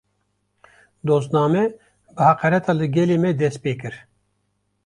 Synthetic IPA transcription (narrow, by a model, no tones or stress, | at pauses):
d̪oːzt̪nɑːmɛ | bɨhɑqɛɾɛt̪ʰɑːlɨɡʲɛleːmɛd̪ɛst̪̚peːkɨɾ